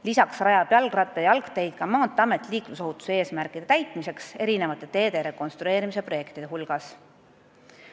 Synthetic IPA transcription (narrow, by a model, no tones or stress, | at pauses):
lisɑksrɑjɑpjɑlɡrɑt̪ːˑejɑlkt̪e̞jd̪̚kɑmɑːt̪ːˑeɑme̞t̪ːˑiliːkmuso̞hut̪ːˑusee̞ːsmærkˑid̪e̞t̪æjt̪ˑmise̞kse̞ɾine̞vɑt̪ːˑe̞t̪e̞ːd̪e̞ɾe̞ko̞nst̪ɾue̞ːɾimise̞pro̞je̞kt̪id̪eɦulɡ̥ɑs